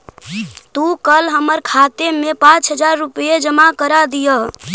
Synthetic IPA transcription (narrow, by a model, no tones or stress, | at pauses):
t̪ukəlɦəməɾkʰat̪emepãt͡ʃɦəd͡ʒaɾːupəed͡ʒəmakəɾad̪ijəɦ